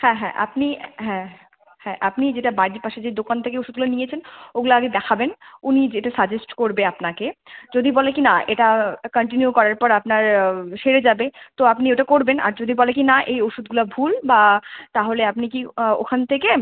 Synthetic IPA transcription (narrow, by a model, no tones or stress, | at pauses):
hɛ̃ɦɛ̰̃ʔa̰pniɦɛ̃ | hɛ̃ʔapnid͡ʑeʈabaɾipaʃed͡ʑed̪okant̪ʰekeoʃud̪̚ɡulanijet͡ɕʰenoɡulaaɡed̪ɛkʰabenunid͡ʑeʈasad͡ʑesʈkoɾbeapnaked͡ʑod̪ʱibɔlekinaeʈakəɳʈinjukɔɾaɾpɔɾapnaɾʃeɾed͡ʑabet̪oapnioʈakoɾbenʔa̰ɾd͡ʑod̪ʱibɔlekinaʔejoʃud̪̚ɡulabʱulbat̪aɦoleapnikio̰kʰant̪ʰeke